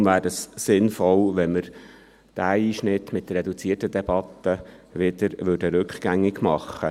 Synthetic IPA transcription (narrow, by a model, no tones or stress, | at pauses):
væːɾəsːɪnfɔlʋɛnməɾ | d̥æːiːʃnɪtːmɪtd̥̪ərɛdut͡siətəd̪ɛb̥ɑt̪ːəʋɪd̪əɾʋʏdəɾʉkχɡ̥æŋːɪɡmɑχːə